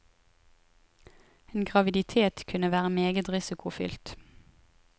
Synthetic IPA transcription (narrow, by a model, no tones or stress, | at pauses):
eːnɡʁɑʋɪd̪ɪt̪ʰeːt̪kʰʉnəʋæːʁəmeːɡət̪ʁɪsɪkʰʊfʏ̰lt̪